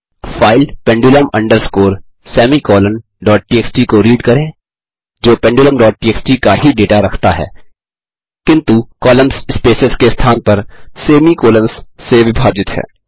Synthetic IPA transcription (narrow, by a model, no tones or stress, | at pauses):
faːɪlpɛ̃ːɳɖuləmɐ̃ɳɖəɾskoːɾ | sɛːmikɔːləm | ɖɔːʈ̚ʈiːeːksʈikoɾiːɖkɐɾẽː | d͡ʒoːpɛ̃ːɳɖuːləmɖɔːʈ̚ːʈiːeːksʈikaɦiɖeːʈaɾɐkʰt̪aɦɛ̰ː | kɪ̃nt̪ukɔːləmsspeːsɪskest̪ʰaːnpɐɾseːmikoːlə̃msːeʋɪbʱaːd͡ʒɪt̪ɦɛ̰ː